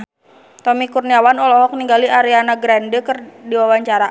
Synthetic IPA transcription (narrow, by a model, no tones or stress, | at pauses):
t̪ɔmikurniawanɔlɔɦɔk̚niŋɡaliaɾianaɡɾandəkərdiwawaɲt͡ʃaɾa